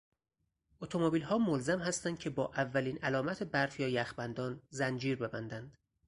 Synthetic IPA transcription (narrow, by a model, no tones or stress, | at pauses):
ʔot̪ʰomobiːlhɒːmolzæmhæst̪ænd̪̚cʰe̞bɒːʔævːæliːnælɒːmæt̪ʰebæɾfjɒːjæxbænd̪ɒːnzænd͡ʒiːɾbe̞bænd̪ænd̪̥